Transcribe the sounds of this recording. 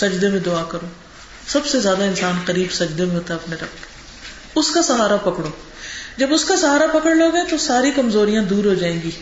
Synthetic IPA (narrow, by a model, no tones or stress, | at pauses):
sɐd͡ʒd̪emẽd̪ʊaːkəɾoː | sɐbsezjaːd̪aɪnsaːnqəɾiːbsɐd͡ʒd̪emẽɦoːt̪aɐpneɾɐpke | ʊskasɐɦaːɾapɐkɽoː | d͡ʒɐbʊskasɐɦaːɾapɐkəɽloːɡɦɛ̃t̪osaːɾikɐmzoːɾijãd̪uːɾɦod͡ʒaːẽːŋɡiː